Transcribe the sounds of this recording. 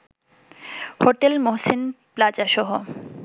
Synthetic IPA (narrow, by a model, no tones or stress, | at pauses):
hoʈelmoɦsenplad͡ʑaʃɔɦo